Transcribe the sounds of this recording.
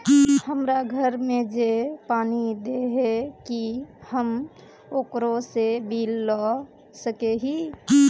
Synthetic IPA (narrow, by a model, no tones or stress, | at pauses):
həmɾaɡʱəɾmẽd͡ʒepaːnid̪eɦekihəm | oːkɾosebilːɔ | səkeɦi